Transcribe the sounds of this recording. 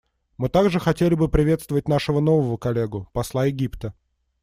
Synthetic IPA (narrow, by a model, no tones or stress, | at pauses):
mɨt̪aɡʐɨxɐtʲelʲɪbɨpɾʲɪvʲe̞t̪st̪vəvət̚ʲnaʂɨvəno̞vəvəkɐlʲːeɡʊpɐslˠajɪɡʲipt̪ə